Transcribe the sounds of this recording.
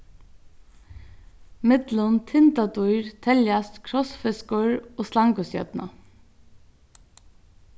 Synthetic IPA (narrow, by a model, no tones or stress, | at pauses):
mɪt̪lʊnt̪ʰɪnt̪at̪uʏɾt̪ʰɛljast̪kʰɾɔsfɪskʊɹoːslɑŋkʊsjœ̰d̪na̰